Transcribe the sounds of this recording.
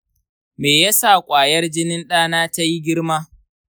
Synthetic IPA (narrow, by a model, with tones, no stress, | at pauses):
meː˨ja˦sa˦˨kʷʼaː˨jɐ˦rd͡ʒɪ˦nɪ˦nɗaː˦naː˦ta˦ji˦ɡʲɪ˦ɽmaː˦